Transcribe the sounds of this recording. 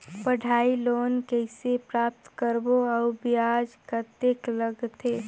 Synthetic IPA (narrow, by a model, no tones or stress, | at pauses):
pəɖʱaːiloːnkɛɪsepɾaːp̚t̪kəɾboaʊbɪjaːd͡ʒkət̪eːkləɡt̪ʰeː